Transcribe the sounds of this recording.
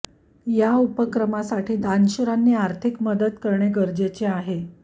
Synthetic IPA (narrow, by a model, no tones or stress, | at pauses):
jaupəkɾəmasaʈʰiːd̪anɕuɾanːiːaɾt̪ʰikməd̪ət̪kəɾɳeɡəɾd͡ʑet͡seaɦe